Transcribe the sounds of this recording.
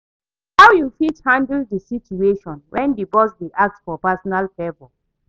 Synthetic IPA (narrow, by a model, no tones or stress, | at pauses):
hawjufithãndldisit͡ʃueʃɔ̃nwʔɛ̃ndibɔsdiʔak̚tfɔpasɔnalfɛvɔ